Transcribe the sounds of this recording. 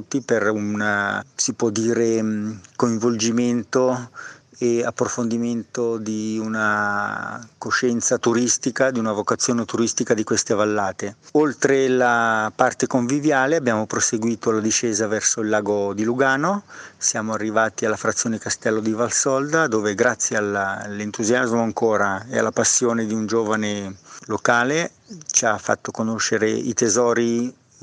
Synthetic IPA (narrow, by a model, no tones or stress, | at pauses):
ut̪ːiperunsipwɔd̪ːiːɾekoiɱvold͡ʒiment̪o | eapːɾofond̪iment̪od̪iuna | koʃɛnt̪sat̪uɾist̪ikad̪iunavokat̪sːjoːnet̪uɾist̪ikad̪ikwest̪evalːaːt̪eolt̪ɾelapart̪ekoɱvivjaːleabjaːmopɾoseɡwiːt̪oalad̪iʃeːzavɛrsoilːaːɡod̪iluɡaːnosjaːmoarːivaːt̪ialːafɾat̪sːjoːneikast̪ɛlːod̪ivalsɔld̪ad̪oːveɡɾat̪sːjeallent̪uzjazmoaŋkoːɾaea̰lːapasːjoːned̪iund͡ʒoːvanelokaːle | t͡ʃafːa̰t̪ːokonoʃːeɾeḭt̪ezɔːɾi